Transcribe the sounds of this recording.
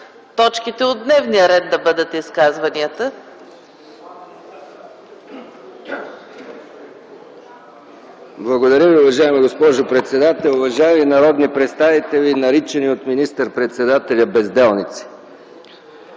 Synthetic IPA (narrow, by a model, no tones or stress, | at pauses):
t̪ɔt͡ʃkit̪ɛod̪nɛvnijəɾɛd̪̚d̪ɐbɤd̪ət̪iskazvɐniət̪ə | blˠɐɡod̪ɐɾʲjəviʊvɐʒaɛmiɡospɔʒopɾɛt̪sɛd̪at̪ɛlˠʊvɐʒaɛminɐɾɔd̪nipɾɛt̪st̪avit̪ɛlinɐɾit͡ʃɛniot̪minist̪əɾpɾɛt̪sɛd̪at̪ɛlʲəbɛzd̪ɛlˠnit̪si̥